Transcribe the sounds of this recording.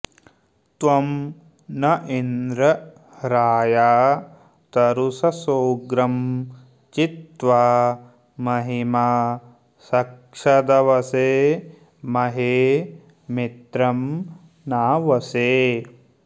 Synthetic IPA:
t̪ʋɐm | nɐʔind̪ɾɐ | ɾaːjaː | t̪ɐɾusɐsoːɡɾɐm | t͡ʃit̪ʋaː | mɐɦimaː | sɐk | ʂɐd̪ɐʋɐseː | mɐɦeː | mit̪ɾɐm | naːʋɐseː

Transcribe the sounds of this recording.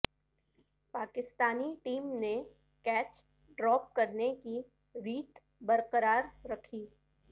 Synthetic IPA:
paːkɪst̪aːniʈiːmne | kɛːt͡ʃ | ɖɾɔːp̚kɐɾneki | ɾiːt̪ | bɐɾqəɾaːɾːɐkʰiː

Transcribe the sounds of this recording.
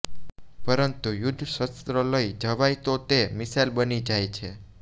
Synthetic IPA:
pəɾənt̪ujʊd̪ʱʃəst̪ɾələid͡ʒəʋajt̪ot̪emɪsajlbənid͡ʒajt͡ʃʰe

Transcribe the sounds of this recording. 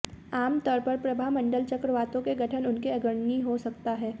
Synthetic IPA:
aːmt̪ɔːɾpɐɾpɾɐbʱaɦmɐ̃ɳɖəlt͡ʃɐkɾəʋaːt̪õkeɡʱɐʈʰənʊnkeɐɡəɽniɦosɐkt̪aɦɛː

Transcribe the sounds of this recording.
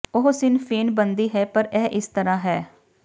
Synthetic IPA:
ʊɦsɪnpʰeːnbənd̪iːɦɛːpəɾɛːʔɪst̪əɾãːɦɛː

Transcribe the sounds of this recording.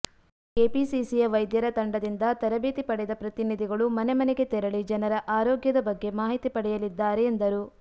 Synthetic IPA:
eːpisisijɐʋɐjd̪jɐɾɐt̪ɐɳɖɐd̪ind̪ɐt̪ɐɾɐbeːt̪ipɐɽɛd̪ɐpɾɐt̪inid̪ʱiɡɐɭumɐnemɐneɡe̞t̪ɛɾɐɭid͡ʒɐnɐɾɐʔaːɾoːɡjɐd̪ɐbɐɡːe̞maːɦit̪ipɐɽɛjɐlid̪ːaːɾeːnd̪ɐɾuː

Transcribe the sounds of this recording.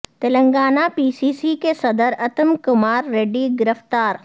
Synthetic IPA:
t̪ɐlə̃ŋɡaːnapiːsiːsikesɐd̪əɾɐt̪əmkʊmaːɾːeːɖiɡɪɾəft̪aːɾ

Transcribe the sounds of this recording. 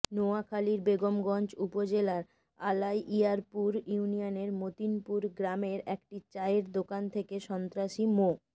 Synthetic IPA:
noakʰaliɾbeɡomɡɔnt͡ɕupod͡ʑelaɾ | alajʔiaɾpuɾunijoneɾmot̪inpuɾɡɾameɾɛkʈit͡ɕaeɾd̪okant̪ʰekeʃɔnt̪ɾaʃimo

